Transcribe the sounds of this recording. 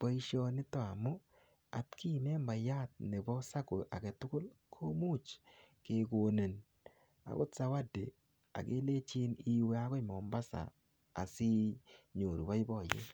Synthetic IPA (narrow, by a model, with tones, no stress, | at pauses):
b̥ɔ˦i˦ʃɔ˧nɪ˦tɔ˦a˨mʊ˦ | a̰˨tkʰi˦˨mɛ˦mba˨ja˦t̚ne˨bɔ˦sa˦ko˨ʔa˨kɛ˨tʊ˦kʊ˦lkʰo˦mu˦˨t͡ʃ | ke˨ɡo˨ne˨n | a̰˨kʊ̰˦tsa˨˦wa˦de˨ | a̰˨ɡḛ˦le˦t͡ʃi˦ni˦we˦a˦ɡɔ˦˨mɔ˨mba˦sa̰ː˨ | sɪ˦ɲo˨ɾu˨ba˦jbɔ˦˨jḛ˦